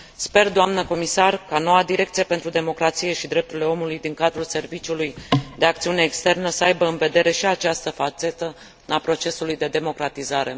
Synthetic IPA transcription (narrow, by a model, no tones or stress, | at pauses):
spe̞rd̪oamnəko̞misarkano̞wad̪iɾe̞kt̪sije̞pent̪ɾud̪e̞mo̞kɾat̪sije̞ʃid̪ɾe̞p̚t̪uɾile̞o̞mulujd̪iŋkad̪ɾulse̞rvit͡ʃulujd̪e̞ak̚t̪siune̞ːkst̪e̞rnəsəajbəɨnve̞d̪e̞ɾe̞ʃiat͡ʃast̪əfat͡ʃe̞t̪ə | apɾo̞t͡ʃe̞sulujd̪e̞d̪e̞mo̞kɾat̪izaɾe̞̰